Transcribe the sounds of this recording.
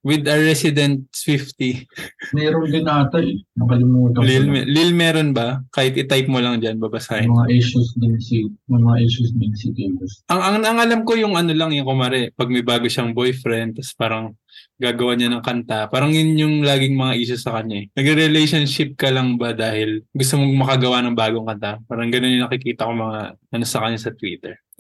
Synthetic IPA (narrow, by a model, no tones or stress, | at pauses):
wɪd̪ɐɹɛsɪd̪ɛnt̪̚sfift̪imɛːɾoŋɡ̪ɪnaːt̪ɐʔɛnɐkɐlɪmuːt̪ɐlilmɛlɪlmɛːɾonbɐkaːhɪt̪ʔɪt̪ajp̚molɐŋd͡ʒanbɐbɐsaɪmɐŋaʔiʃʊsd̪ɪnsinɐmɐŋaʔiʃʊsd̪ɪnsit̪ibɐsʔɐŋʔɐŋnɐŋʔɐlamko̞jʊŋɐno̞lɐŋɛŋkʊmaɾɛpɐɡ̚mɐbaːɡo̞ʃaŋbojfɾɛnd̪ɐspaːɾɐŋ | ɡaːɡɐwaɲanɐŋkɐnt̪apaːɾɐŋjʊnɲʊŋlaːɡɪŋmɐŋaʔiːʃʊsɐkɐɲaɛnɐɡɪɾɪlɛjʃɐnʃɪp̚kɐlɐŋbɐd̪aːhɪlɡʊst̪omoɡ̚mɐkɐɡɐwanɐŋbaːɡoŋkɐnt̪apaːɾɐŋɡɐno̞njʊnɐkɪkiːt̪ɐkoŋmɐŋaʔɐno̞sɐkɐɲːasɐt̪wḭːt̪ɛɹ